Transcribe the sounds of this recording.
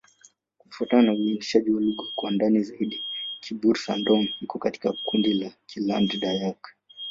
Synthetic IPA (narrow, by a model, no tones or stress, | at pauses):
kufuatananauindiʃaʄiwaluɡɔkwandanizaiɗikʰibuɾsandɔŋ̩hikɔkati̥kakundilakʰilandɗajak